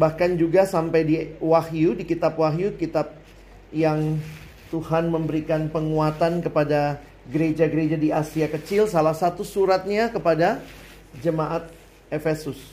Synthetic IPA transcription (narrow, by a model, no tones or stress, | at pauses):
bahkand͡ʒuɡasampajdiwahjudikit̪apwaɦjukit̪ap̚ | jaŋ | t̪uhanməmbəɾikanpəŋuat̪ankəpada | ɡəɾed͡ʒaɡəɾed͡ʒadiasiakət͡ʃɪlsalahsat̪usuɾat̪̚ɲakəpada | d͡ʒəmaʔat̪̚ | efesʊs